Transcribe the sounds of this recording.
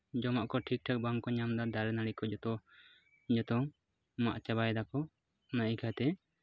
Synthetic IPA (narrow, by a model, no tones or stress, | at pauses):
d͡ʒɔmaʔkɔʈʰik̚ʈʰak̚baŋkɔɲamd̪ad̪aɾɛnaɽikɔd͡ʒɔt̪ɔ | d͡ʒɔt̪ɔ | ma̰ʔt͡ʃabajd̪akɔ | naʔikʰat̪ɛ